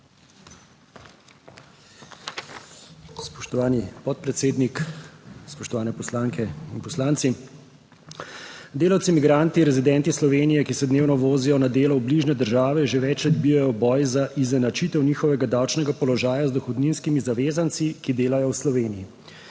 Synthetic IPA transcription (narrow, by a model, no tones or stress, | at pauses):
spɔʃt̪ɔʋaːnipɔt̪̚pɾɛt̪seːd̪nikspɔʃt̪ɔʋaːnɛpɔslaːŋkɛinpɔslaːnt̪si | d̪eːlawt̪simiɡɾaːnt̪iɾɛzid̪ɛnt̪islɔʋeːnijɛkisɛd̪neːwnɔʋoːzijɔnad̪eːlɔwbliʒnɛd̪əɾʒaːʋɛʒeʋɛt͡ʃlɛd̪bijajɔbɔːjzaʔizɛnat͡ʃit̪ɛwniːxɔʋɛɡad̪aːwt͡ʃnɛɡapɔlɔʒaːjazd̪ɔxɔd̪ninskimizaʋeːzant̪sikid̪eːlajɔwslɔʋeːniji